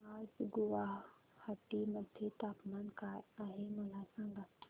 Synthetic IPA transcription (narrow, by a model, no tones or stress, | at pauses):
ad͡ʒɡuʋa | həʈːiməd̪ʱjet̪aːpmankajaːɦeməlasãŋɡa